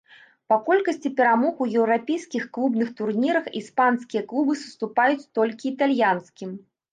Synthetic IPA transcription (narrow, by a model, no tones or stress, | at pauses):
pakɔlʲkɐsʲt͡sʲipʲɛɾamɔxujɛwɾapʲejskʲixklˠubnɨxt̪urnʲiɾɐxispanskʲijɐklˠubɨsust̪upajut͡sʲt̪ɔlʲkʲiːt̪alʲjanskʲim